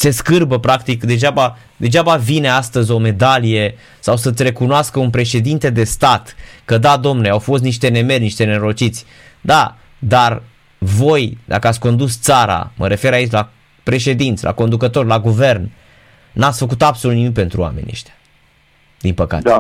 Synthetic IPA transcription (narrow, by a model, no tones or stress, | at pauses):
se̞skɨrbəpɾakt̪ikd̪e̞ʒaba | d̪e̞d͡ʒabavine̞ast̪əzʲo̞me̞d̪alije̞ | sawsət̪sʲre̞kunoaskəunpɾe̞ʃe̞d̪int̪e̞d̪e̞st̪at̪kəd̪ad̪o̞mneawfo̞st̪niʃt̪e̞ne̞me̞rʲniʃt̪e̞neɾo̞t͡ʃit̪sʲ | d̪a | d̪ar | vo̞jd̪a̰kəat̪sʲko̞nd̪ust̪saɾa̰məɾe̞fe̞ɾait͡ʃla | pɾe̞ʃe̞d̪int̪sʲlʔa̰ko̞nd̪ukət̪o̞rʲlaɡuve̞rnː | at̪sʲfək̬ut̪abso̞lut̪nimik̚pe̞nt̪ɾṵa̰menʲːḛʃt̪eḁ | d̪inpəka̰t̪e